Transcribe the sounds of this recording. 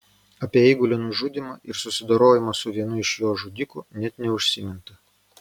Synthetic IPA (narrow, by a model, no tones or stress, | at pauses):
ɐpʲiɛɛːɡʊlʲonʊʒud̪ʲɪmɐʔɪɾsʊsʲɪd̪oːɾoːjɪmɐsʊʋʲiɛnʊɪʃjoːʒʊd̪ʲɪkʊnʲɛt̪nʲɛʊʃʲsʲɪmʲɪnt̪ɐ